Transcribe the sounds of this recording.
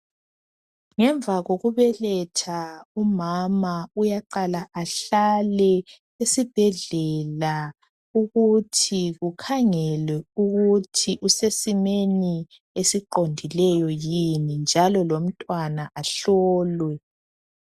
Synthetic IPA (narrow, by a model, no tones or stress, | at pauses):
ŋɛɱbvʱaɣoɣuβɛlɛtʰaumamaujaǃalaʔaɬalɛ | esib̥ʱɛɮɛla | uɣutʰiɣukʰaŋɛlɛuɣutʰiʔusesimeni | esiǃondʱilɛjɔjinind͡ʒʱalɔlom̩tʼwanaʔaɬɔːlwɛ